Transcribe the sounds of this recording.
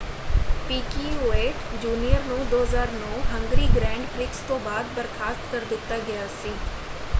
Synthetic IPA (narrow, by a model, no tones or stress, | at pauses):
piːkiʋeːʈd͡ʒuːnijəɾnũːd̪oːɦəzaːɾnɔːɦɐ̃ŋɡɾiːɡɾɛ̃ːɳɖflɪkst̪õːbaːd̪bɐɾxʰaːst̪kɐɾd̪ɪt̪ːaɡɐjaːsĩː